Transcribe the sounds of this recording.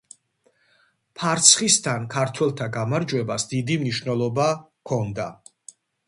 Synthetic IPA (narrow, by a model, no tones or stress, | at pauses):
pʰaɾt̪sʰχist̪ʰankʰaɾt̪ʰwɛlˠt̪ʰaɡamaɾd͡ʒwɛbasd̪id̪imniʃvnɛlˠɔba | kʰɔnd̪a